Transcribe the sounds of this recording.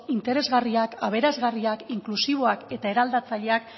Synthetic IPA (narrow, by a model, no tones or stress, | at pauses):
int̪e̞ɾe̞zɣariakaβ̞e̞ɾazɣariakiŋklusiβ̞o̞ake̞t̪ae̞ɾald̪at͡saʎe̞ak